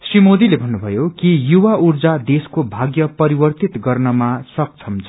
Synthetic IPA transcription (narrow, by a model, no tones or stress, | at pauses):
srimod̪ilebʱʌnːubʱʌjokijuwaurd͡zad̪eskobʱaɡjʌpʌɾibʌrt̪it̪ɡʌrnʌmasʌk̚t͡sʰʌmt͡sʰ